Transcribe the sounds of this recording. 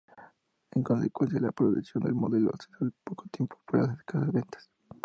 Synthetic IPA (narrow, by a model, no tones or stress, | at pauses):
eŋko̞nsekwe̞ns̬jaðelapɾoðuksjo̞nd̪ḛlmoðe̞lo̰seɾalpokot̪jempopuɾa̰ðaðe̥kaðaβent̪ḁs